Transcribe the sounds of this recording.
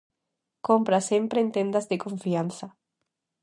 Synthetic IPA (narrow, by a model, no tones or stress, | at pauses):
kompɾasempɾeent̪end̪azðekõɱfianθa